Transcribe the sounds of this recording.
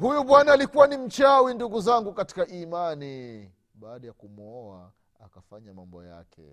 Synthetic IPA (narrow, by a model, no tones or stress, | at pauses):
hujuɓwanaːlikuwanim̩t͡ʃawinduɡuzaŋɡukati̥kaʔimani | ɓaːɗajakumɔwa | akafaɲamambɔja̰kɛ̰